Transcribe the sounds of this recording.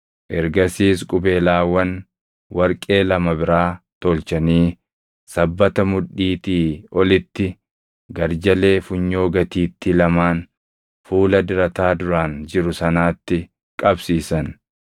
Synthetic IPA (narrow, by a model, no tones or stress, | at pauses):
ʔɛɾɡɐsiːskʼʊbe̞ːlaːwɐn | wɐɾkʼe̞ːlɐmɐbɪɾaːt̪oːlt͡ʃɐniː | sɐbːɐt̪ɐmʊᶑːiːt̪iːɔlɪt̪ːɪ | ɡɐɾd͡ʒɐle̞ːfʊɲːo̞ːɡɐt̪iːt̪ːɪlɐmaːn | fuːlɐd̪ɪɾɐt̪aːd̪ʊɾaːnd͡ʒɪɾʊsɐnaːt̪ːɪ | kʼɐbsiːsɐn